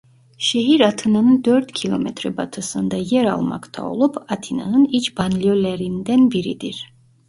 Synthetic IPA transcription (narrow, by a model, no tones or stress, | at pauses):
ʃeɦiɾat̪ʰɯnanɯnd̪øɾt̪cʲʰilʲˠo̞mɛt̪ɾɛbat̪ʰɯsɯnd̪ajæɾa̰lˠma̰kt̪ʰa̰o̞̰lˠupat̪ʰina̰nɯnit͡ʃbanlʲjølʲeɾind̪ænbiɾid̪iɾ̥